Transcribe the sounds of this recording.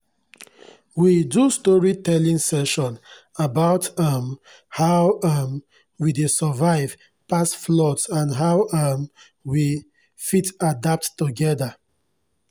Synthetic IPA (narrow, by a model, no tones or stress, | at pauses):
widustɔɹitɛlĩŋsɛʃɔ̃n | abaʊtʌm | haʊʌm | widesəvaɪv̥ | pasflɔtsãnɦaʊʔʌm | wi | fitadap̚tːuɡɛða